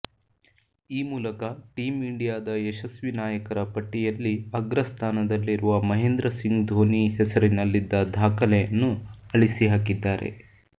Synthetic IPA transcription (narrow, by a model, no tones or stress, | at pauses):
iːmuːlɐkɐʈiːmiɳɖijaːd̪ɐeʃɐsʋinaːjɐkɐɾɐpɐʈːijɐlːiɐɡɾɐst̪ʰaːnɐd̪ɐlːiɾuʋɐmɐɦend̪ɾɐsiŋɡd̪ʱoːniɦɛsɐɾinɐlːid̪ːɐd̪ʱaːkɐlɛjɐnːuɐɭisiɦaːkid̪ːaːɾʔḛ